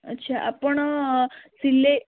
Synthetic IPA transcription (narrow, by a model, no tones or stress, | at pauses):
ətːɕʰaʔapəɳ | silːe